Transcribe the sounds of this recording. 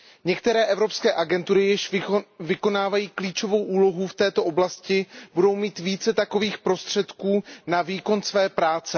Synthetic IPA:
ɲɛkt̪ɛɾɛːʔɛvɾo̞pskɛːʔaɡɛnt̪uɾɪjɪʃvɪko̞naːvajiːkliːt͡ʃo̞vo̞wʔuːlo̞ɦuft̪ɛːt̪o̞ʔo̞blascɪbudo̞wmiːt̪viːt͡sɛt̪ako̞viːxpɾo̞st̪r̝̥ɛt̪kuːnaviːko̞nsvɛːpɾaːt͡sɛ

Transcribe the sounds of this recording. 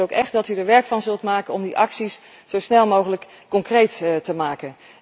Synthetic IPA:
owkɛχdɑtydəɹʋɛɹkfɑnzɵlˠtmaːkənɔmdiʔɑksis | z̥owsnɛlˠmowχələkːɔŋkrejttəmaːkən

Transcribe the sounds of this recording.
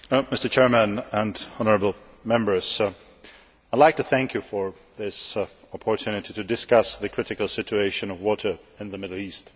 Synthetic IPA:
mɪstə˞t͡ʃʰɛɹmə̃nə̃nɑnə˞əbl̩ˠ | mɛ̃mbə˞z̥ | aɪlaɪk̚tʰɨθæ̃ŋkʰjɨfə˞ | ðɪs | ɑpʰə˞tʰʉnɨtiɾɨdɨskʌsðɨkʰɹ̥ɪɾɨkəl̩ˠsɪt͡ʃueɪʃɨ̃nʌvwɔɾə˞ɨ̃nðəmɪɾl̩ˠist

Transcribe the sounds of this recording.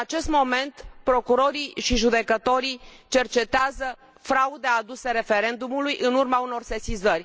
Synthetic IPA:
ɨat͡ʃe̞st̪mo̞me̞nt̪pɾo̞kuɾo̞ɾiʃiʒud̪e̞kət̪o̞ɾit͡ʃe̞rt͡ʃe̞t̪eazə | fɾaud̪ead̪use̞ɾe̞fe̞ɾe̞nd̪umulujʔɨnurmauno̞rse̞sizərʲ

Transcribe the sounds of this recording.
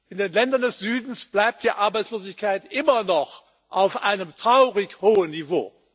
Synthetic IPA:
ʔɪndeːnlɛndɐndɛsz̥yːdn̩sb̥laɪp̚td̥iːʔaɐbaɪt͡sloːzɪçkaɪtʔɪmɐnɔχ | ʔaʊfʔa̰ɪnəmtʁ̥aʊʁɪçhoːənːivo̰ː

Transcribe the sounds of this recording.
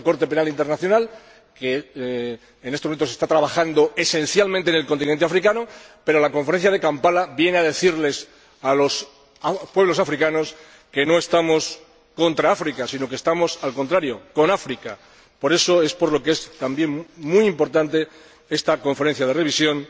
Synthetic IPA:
ko̞ɾt̪e̞pe̞nalint̪eɾnaθjonal | keː | nest̪eent̪osest̪at̪ɾaβaxand̪o̞e̞sẽ̞n̟θjalmẽnt̪ene̞lkont̪inent̪e̞afɾikanope̞ɾo̞lako̞ɱfeɾenθjaðe̞kampalaβje̞neaðe̞θiɾle̞s | alo̞s | apwe̞βlo̞safɾikano̞s | ke̞no̞e̞st̪amo̞s | ko̞nt̪ɾaafɾikasino̞k̬est̪amo̞salko̞nt̪ɾaɾjo̞ko̞nafɾika | po̞ɾe̞so̞e̞spo̞ɾlo̞keest̪ambjeŋmujimpo̞ɾt̪ant̪e̞ | e̞st̪ako̞ɱfeen̟θjað̞e̞re̞β̞isjo̞n

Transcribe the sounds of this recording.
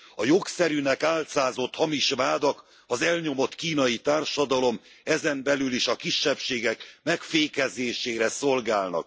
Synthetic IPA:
ɒjo̞ksɛɾynɛkaːlt̪saːzo̞t̪hɒmiʃʋaːd̪ɒk | ɒzɛlɲo̞mo̞t̪kiːnɒjit̪aːrʃɒd̪ɒlo̞m | ɛzɛmbɛlyliʃɒkiʃːɛpʃeːɡɛkmɛkfeːkɛzeːʃeːɾɛso̞lɡaːlnɒ̰k̚

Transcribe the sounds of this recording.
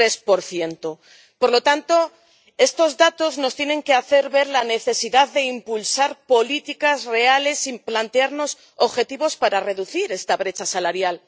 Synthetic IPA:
ɾe̞spo̞ɾθje̞nt̪o | poɾlo̞t̪ant̪o̞ | e̞st̪o̞zðat̪o̞zno̞st̪je̞nẽ̞ŋke̞aθe̞ɾβe̞ɾlane̞θe̞siðaððe̞impulsaɾpo̞lit̪ikazre̞ale̞simplant̪eaɾno̞s | oβxe̞t̪iβo̞spaɾare̞ðuθiɾe̞st̪aβ̞ɾe̞t͡ʃasalaɾjal

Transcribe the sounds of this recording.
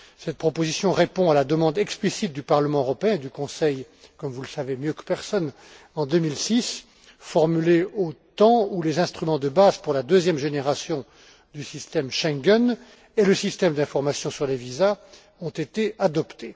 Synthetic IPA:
sɛt̪̚pχɔpozisjɔ̃ʁepɔ̃alad̪əmɑ̃d̪ɛksplisit̪̚d̪ypaʁləmɑ̃øʁɔpeɛ̃ed̪ykɔ̃sɛj | kɔmvuləsavemjøkə̥pɛʁsɔn | ɑ̃d̪ømilsis | fɔʁmyleot̪ɑ̃ulezɛ̃st̪χymɑ̃d̪əbazpuʁlad̪øzjɛmʒeneʁasjɔ̃ | d̪ysist̪ɛmʃɛ̃ɡʲɛn | eləsist̪ɛmd̪ɛ̃fɔʁmasjɔ̃syʁleviza | ɔ̃t̪et̪ead̪ɔpt̪e

